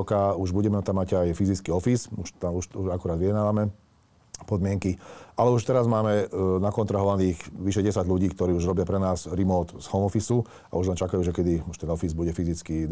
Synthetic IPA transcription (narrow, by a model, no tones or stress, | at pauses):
ɔkauʒbuɟɛmɛt̪amːaɟajfizit͡skiɔfisuʃt̪auʃuʒakɔɾaːd̪ʋiɛd̪naːʋamɛ | pɔd̪mɪɛŋkialɛuʃt̪ɛɾazmaːmɛnakɔnt̪ɾaɦɔʋaniːɣʋiʃɛɟɛsaɟʎuɟiːkt̪ɔɾiːuʒɾɔbɪapɾɛnaːzɾimɔːt̪z̥hɔmɔfisu | a̰uʒlɛnt͡ʃakajuːʒɛkɛd̪iuʃt̪ɛnɔfizbuɟɛfizit͡ski